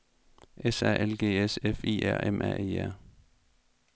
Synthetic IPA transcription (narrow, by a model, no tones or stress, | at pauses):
ʔesæ̰ʔelɡ̥e̝̰ːesefḭːæɐ̰ʔemʔæ̰ʔḭːæɐ̰